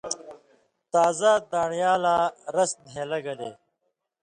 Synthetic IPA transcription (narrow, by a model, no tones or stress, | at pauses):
t̪aːzad̪aːɳijaːlaːɾɐsd̪ʱẽːlɐɡɐd̪eː